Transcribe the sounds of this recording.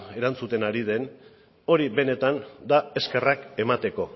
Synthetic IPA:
e̞ɾant͡sut̪e̞naɾið̞e̞n | o̞ɾiβe̞ne̞t̪and̪ae̞ske̞rake̞mat̪e̞ko̞

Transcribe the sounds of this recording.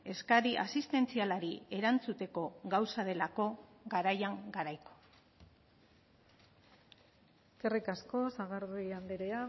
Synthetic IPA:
e̞skaɾiʔa̰sist̪e̞nt͡sialaɾie̞ɾant͡sut̪e̞ko̞ɣawsað̞e̞lako̞ɡaɾajaŋɡaɾajko̞̥ | kerikasko̞saɣaɾðuiambeɾe̞a

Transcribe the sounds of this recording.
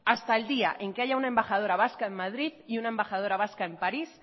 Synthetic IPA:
ast̪aeld̪ia̰ʔeŋkeajaunaembaxað̞oɾaβaskaemːaðɾiðiunaembaxað̞oɾaβ̞askaempaɾis

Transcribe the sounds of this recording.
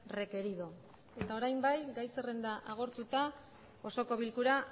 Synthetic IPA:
re̞ke̞ɾiðo̞ | e̞t̪aoɾajmbajɡajse̞re̞nd̪aʔaɣ̞o̞ɾt̪ut̪a | o̞so̞ko̞βilkuɾa

